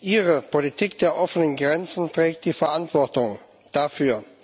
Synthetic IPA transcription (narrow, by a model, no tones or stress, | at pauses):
ʔiːʁ̞əpʰolitʰiːkd̥eːɐʔɔfənənɡʁɛnt͡sn̩tʁ̥ɛːk̚t̚d̥iːfɛɐʔantv̥ɔɐtʊŋ | d̥afyːɐ